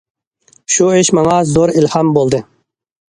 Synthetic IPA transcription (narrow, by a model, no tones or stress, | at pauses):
ʃueʃmɑŋɑzoɾilhɑmbolˠd̪ɨ